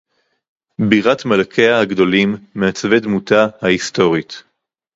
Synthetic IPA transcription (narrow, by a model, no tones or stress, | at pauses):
biʁatmalkʰeahaɡdo̞limːeat͡svedmutahaisto̞ʁit